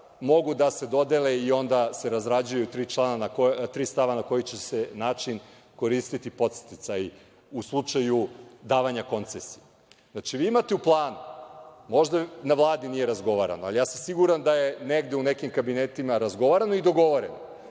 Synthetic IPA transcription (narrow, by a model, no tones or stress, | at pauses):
mo̞ɡud̪ase̞d̪o̞d̪eleio̞nd̪ase̞ɾazɾad͡ʑujut̪ɾiːt͡ʃlˠananakot̪ɾiːst̪aʋanako̞jit͡ɕe̞senaːt͡ʃin | ko̞ɾist̪it̪ipo̞t̪se̥t̪it̪saj | uslˠut͡ʂajud̪aːʋaɲako̞nt̪sesije | znat͡ʃiʋiːimat̪e̞uplˠaːnumo̞ʒd̪anaʋlˠaːd̪inije̞ɾazɡo̞ʋaɾa̰noa̰lijaːsamsiɡuɾand̪aje̞neɡd̪eunekimkabinet̪imaɾazɡo̞ʋaɾano̞id̪o̞ɡo̞ʋoɾeno